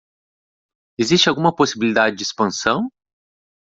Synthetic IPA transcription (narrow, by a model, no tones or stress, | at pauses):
ezist͡ʃɪawɡũmɐposibilid̪ad͡ʒɪd͡ʒɪispɐ̃sɐ̃w̃